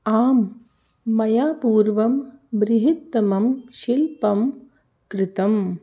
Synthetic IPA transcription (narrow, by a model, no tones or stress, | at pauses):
aːmː | ɐjaːpuːɾʋɐmbɾɪɦɪt̪ːɐmɐmʃilpɐm | kɾɪt̪ɐm